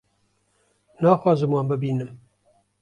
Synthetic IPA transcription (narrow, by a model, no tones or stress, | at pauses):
nɑːxwɑːzɨmwɑːnbɨbiːnɨm